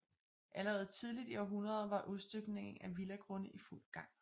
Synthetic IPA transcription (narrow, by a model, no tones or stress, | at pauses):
ʔæləʁɛːð̞ˠt͡sʰið̞ˠlid̥iɒɦunʁɐð̞ˠʋɑ̈ʔuðˠsd̥øɡ̥ne̝ŋ̩æʋilæɡ̥ʁɔnəʔiful̰ɡ̥ɑ̈ŋ̰